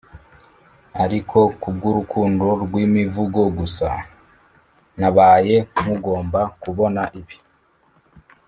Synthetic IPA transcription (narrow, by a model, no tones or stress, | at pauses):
aɾikʰo̞kub̚ɡuɾukʰuːndoɾɡwimivuɡo̞ɡusa̰ | naβaːje̞muɡo̞ːmbakuβo̞naʔiβi̥